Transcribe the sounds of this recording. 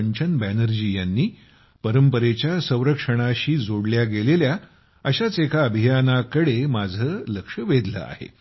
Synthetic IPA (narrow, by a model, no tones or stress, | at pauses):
ɲt͡ɕənbænəɾd͡ʑijanːiː | pəɾəmpəɾet͡ɕjasə̃w̃ɾəkʂəɽ̃aɕiːd͡zoɽljaɡelelja | əɕat͡sekʰaəbʱijanakəɽemad͡zʱəːləkʂəʋed̪lə̰a̰ɦḛ